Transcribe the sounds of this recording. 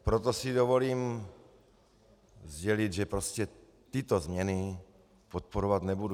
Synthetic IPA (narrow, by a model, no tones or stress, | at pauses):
pɾot̪osidovoliːm | zɟɛlid̪ʒɛpɾoscɛ | t̪ɪt̪ozmɲɛni | pot̪̚poɾovad̪nɛbudu